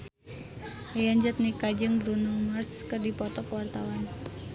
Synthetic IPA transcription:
ajəɲd͡ʒət̪̚nikad͡ʒəŋbɾunɔlmart͡ʃkərdipɔt̪ɔkwart̪awan

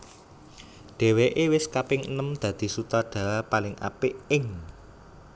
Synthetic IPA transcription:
ɖ̪̥e̤weʔewɪskapɪŋənəmd̪̥ä̤d̪̥i̤sut̪ɔɖ̥a̤palɪŋʔa̰pɪʔɪŋ

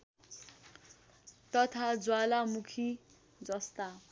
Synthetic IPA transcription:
t̪ʌt̪ʰad͡zwalamukʰi | d͡zʌst̪a

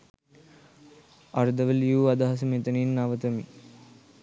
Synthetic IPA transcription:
aɾd̪ɐʋəljuːad̪aɦɐsəmet̪əninːaʋət̪əmi

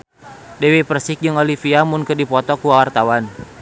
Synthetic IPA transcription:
dɛwipərsɪk̚d͡ʒɨŋolifiamʊnkɨdipɔt̪ɔkuawart̪awan

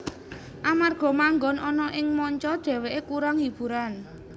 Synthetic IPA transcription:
ʔamarɡ̥ɔ̤maŋɡɔnʔɔnɔʔɪŋmɔɲt͡ʃɔd̥d̪̥ɛ̤weʔekuɾaŋib̥ṳɾan

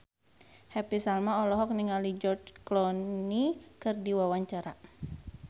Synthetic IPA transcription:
hɛpisalmaɔlɔɦɔk̚niŋalid͡ʒɔrd͡ʒklɔnikɨrdiwawaɲt͡ʃaɾa

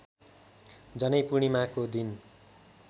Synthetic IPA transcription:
d͡zʌnʌjpuɽ̃imakod̪in

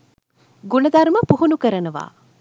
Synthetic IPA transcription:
ɡunɐd̪aɾməpuɦunukəɾənəʋa̰ː

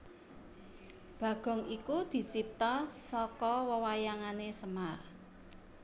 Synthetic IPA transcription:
b̥ä̤ɡ̥ɔ̤ŋikud̪̥i̤t͡ʃip̚t̪ɔsɔkɔwəwajaŋanesəmar

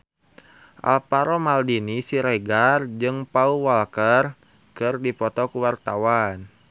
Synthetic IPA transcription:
ʔa̰lpaɾomaldinisiɾeɡard͡ʒɨŋpauwalkər | kɨrdipɔt̪ɔkuwart̪awan

